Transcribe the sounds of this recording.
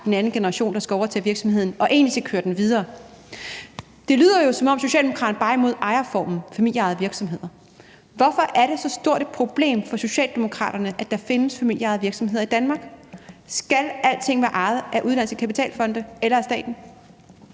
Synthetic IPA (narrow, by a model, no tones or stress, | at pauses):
d̥enænn̩ɡ̥e̝nəʁɑɕo̝̰ːnd̥ɑ̈sɡ̥ɒʊɐt͡sʰeʋiɐɡ̥sɒ̽mheð̰ˠn̩ɒ̽ʔe̝̰ːnlisekʰøːɐd̥enʋið̞ˠɐː | d̥e̝ly̰ːð̞̰ˠɐjo̝sɒ̽mɒ̽m̰so̝ɕɛ̰ld̥emo̥ɑ̈dɐn̩b̥ɑ̈imo̝ð̞̰ˠʔɑ̈ɪɐfɒ̰ːmn̩fæmil̰jɑ̈ɪðˠʋiɐɡ̥sɒ̽mɦe̝ð̞̰ˠɐ | ʋɒ̽fɒ̽ʔæɐɾe̝sɒ̽sd̥o̝ɐ̰ɾ̥e̥pʰʁo̝b̥le̝̰ːmfɒ̽so̝ɕɛ̰ːld̥emo̝kʰʁɑ̰̈ːdɾ̥ɐnəʔæd̥ɑ̈fe̝nəsfæmil̰jɑ̈ɪð̩ˠʋiɐɡ̥sɒ̽mhe̝ð̞̰ˠɐid̥ænmɑ̈ːɡ̥sɡ̥ælæl̰t͡sʰe̝ŋ̰ʋæːɐʔɑ̈ɪð̞̩ˠæʔuð̞ˠd̥æn̰̩st͡sʰəkʰæpit͡sʰɛ̰ːlfɒ̽nd̥əelɐæsd̥ɛ̰ːd̥n̩